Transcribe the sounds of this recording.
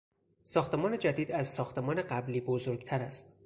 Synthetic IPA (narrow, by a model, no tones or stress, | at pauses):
sɒːxt̪ʰe̞mɒːne̞d͡ʒæd̪iːd̪æzsɒːxt̪ʰe̞mɒːne̞ɢæbliːbozoɾɡt̪ʰæɾæst̪